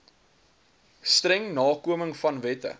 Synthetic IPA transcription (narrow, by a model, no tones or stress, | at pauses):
strɛŋnɑːkuəməŋfɐnvɛtə̰